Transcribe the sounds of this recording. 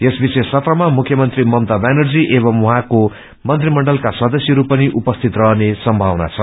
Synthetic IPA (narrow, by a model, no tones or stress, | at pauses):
jesbisesːʌt̪rʌmamukʰːjʌmʌnt̪rimʌmt̪abanʌrd͡ziʔebʌmwʌɦãko | mʌnt̪rimʌɳɖʌlkasʌd̪ʌsjʌɾupʌniʔupʌst̪ʰit̪rʌɦnesʌmbʱawna̰t͡sʰʌ